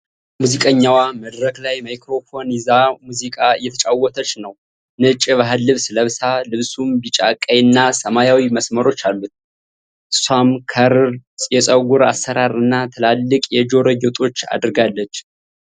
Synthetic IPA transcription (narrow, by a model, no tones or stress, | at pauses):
muzikʼəɲːawaməd̪ɾəklajmajkɾo̞fo̞nizamuzikʼaɨjːɛt̪ʰət͡ʃʼawːɔt̪ʰət͡ʃːnəw | nɨt͡ʃʼɪβaɦɨlːɨβsləβsalɨβsumbit͡ʃʼakʼːəjɨnːasəmajawiməsməɾo̞t͡ʃːalːut̪ | samkʰəɾɨɾjɛsʼəɡuɾa̰səɾaɾɨnːat̪ʰɨlalːɨkʼjɛd͡ʒo̞ɾəjot̪ʼo̞t͡ʃːa̰d̪ɾɨɡalːət͡ʃː